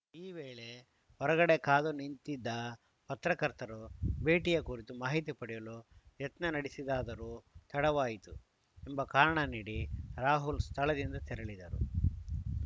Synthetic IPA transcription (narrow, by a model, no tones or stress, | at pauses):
iːʋeːɭe | ɔɾɐɡɐɽekaːd̪unint̪id̪ːɐ | pɐt̪ɾɐkɐɾt̪ɐɾubeːʈijɐkuːɾit̪umaːɦit̪̬ipɐɽijɐlujɐt̪nɐnɐɽisid̪aːd̪ɐɾut̪ʰɐɽɐʋaːjit̪u | imbɐkaːɾɐɳɐniːɽiɾaːɦulst̪ʰɐlɐd̪ind̪ɐt̪ɛɾɐɭid̪ɐɾṵ